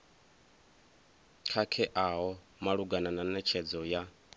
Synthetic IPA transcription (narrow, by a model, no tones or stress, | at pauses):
kʰakʰɛʔaɦɔ | maɺuɡanananɛt͡ʃʰɛd͡zɔja